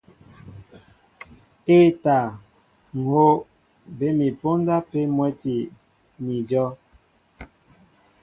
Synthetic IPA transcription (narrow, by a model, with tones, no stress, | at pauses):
e˦ta˨ | ŋ̩˨ho˦ | be˦mi˨po˦nda˦pe˦mwɛ˦ti˨ | ni˨d͡ʒɔ˦